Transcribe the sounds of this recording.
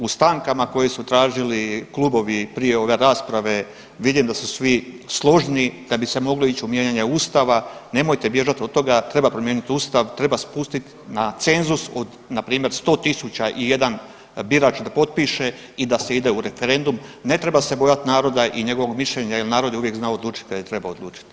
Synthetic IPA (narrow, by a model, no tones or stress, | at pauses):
ust̪aŋkamako̞jisut̪ɾaːʒiliklubo̞ʋipɾije̞o̞ʋe̞ɾaːspɾaʋe̞ | ʋid̪imd̪asusʋislˠo̞ʒnid̪̥abise̞mo̞ɡlo̞it͡ɕiumje̞ɲaɲeuːst̪aʋane̞mo̞jt̪e̞bje̞ʒat̪o̞d̪t̪ːo̞ɡat̪ɾe̞bapɾo̞mjeːnit̪uːst̪aʋt̪ɾe̞baspust̪it̪ | nat̪se̞nzuso̞d̪ | napɾiːmje̞ɾst̪o̞ːt̪isut͡ɕaʔije̞d̪an | biɾaːt͡ʃd̪apo̞t̪̚piʃe̞ | id̪aseid̪e̞uɾe̞feɾe̞nd̪umne̞t̪ɾe̞base̞bo̞jat̪naːɾo̞d̪aʔiɲe̞ɡo̞ʋo̞ɡmiʃʎeɲajelnaːɾo̞d̪juʋje̞kznaod̪luːt͡ʃi̥t̪̚kad̪jet̪ɾe̞baod̪luːt͡ʃi̥t̪